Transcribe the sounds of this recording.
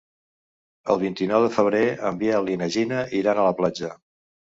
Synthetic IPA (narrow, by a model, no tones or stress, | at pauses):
ə̰lˠβint̪inɔwðəfəβ̞ɾeəmbiəlinəʒinəʔiɾanələplad͡ʒə